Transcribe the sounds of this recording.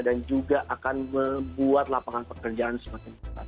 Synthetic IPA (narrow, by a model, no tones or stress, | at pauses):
dand͡ʒuɡaʔakanməbuat̪lapaŋanpəkərd͡ʒaansəmakɪnpəpa̰t̪